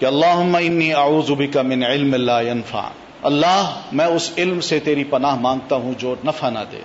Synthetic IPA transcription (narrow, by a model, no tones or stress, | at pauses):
kɪɐlːaːɦʊmːaɪnːiːɐʕuːzʊbɪkamɪnʕɪlmlaːjɐnfa̰ʕ̰ | ɐlːaːɦmɛ̃ːʊsɪlmset̪eːɾipɐnaːɦmãːŋɡ̚t̪aɦũd͡ʒoːnɐfaːna̰d̪ḛː